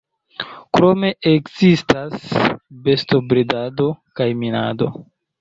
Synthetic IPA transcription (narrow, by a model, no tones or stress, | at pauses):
kɾo̞me̞ʔekzistasbe̞sto̞bɾedado̞kajminado̞̰